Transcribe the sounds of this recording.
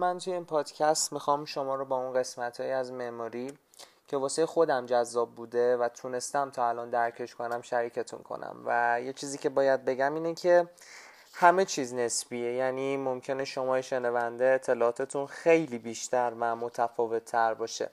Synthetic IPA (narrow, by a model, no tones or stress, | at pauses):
mænt̪ʰujeinpʰɒːd̪̥cʰæst̪mixɒmʃo̞mɒːɾobɒːunɢe̞smæt̪ʰhɒːjiæzmemɒːɾi | cʰe̞vɒːsejexo̞d̪æmd͡ʒæzːɒːb̚ːuːd̪e̞væt̪ʰune̞st̪æmt̪ʰɒːælɒnd̪æɾcʰeʃko̞næmʃæɾiːcʰe̞t̪ʰṵnkʰo̰næ̰mvæje̞t͡ʃʰiːziːcʰe̞bɒːjæd̪̚be̞ɟæmiːnecʰe̞ | hæme̞t͡ʃʰiːzne̞sbiːejæniːmomcʰe̞neʃo̞mɒːjeʃe̞nævænd̪eet̪ʰːe̞lɒːɒːt̪ʰet̪ʰunxejliːbiːʃt̪æɾvæmo̞t̪ʰæfɒːve̞t̪ʰːæɾbɒːʃḛ